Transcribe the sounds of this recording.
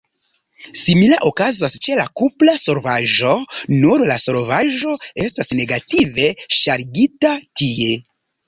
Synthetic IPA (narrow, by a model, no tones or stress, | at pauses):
similaʔokazast͡ʃe̞lakuplaso̞ɾvaʒo̞nuɾlaso̞ɾvaʒo̞e̞stasne̞ɡative̞ʃaɾɡitatie̞